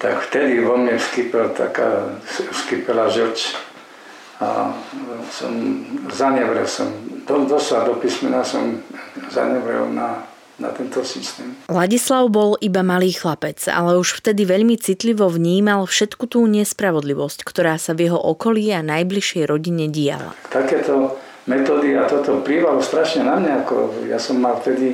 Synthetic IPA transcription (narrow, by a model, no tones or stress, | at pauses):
t̪akft̪ɛd̪iʋɔmɲɛskipɛlt̪ʰa̰ka̰ːsfskipɛlaʒɔt͡ʃ | a̰ | sɔ̰mzaɲɛʋɾɛlsɔ̰md̪ɔd̪ɔslad̪ɔpismɛnasɔ̰mza̰ɲɛʋɾɛ̰lna | na̰t̪ɛnt̪ɔsist̪ɛːmlaɟislaʊbɔlʔibamaliːxlapɛt͡sa̰lɛuʃft̪ɛd̪iʋɛʎmit͡sit̪liʋɔvɲiːmalfʃɛt̪kut̪uːɲɛspɾaʋɔd̪liʋɔsckt̪ɔɾaːsavjɛɦɔʔɔkɔliːanajbliʃjɛjɾɔɟiɲɛɟia̰la̰t̪akɛːt̪ɔ | mɛt̪ɔːd̪iat̪ɔt̪ɔpɾiːʋalɔst̪ɾaʃɲɛnamɲaakɔ̰ja̰sɔmːalft̪ɛd̪i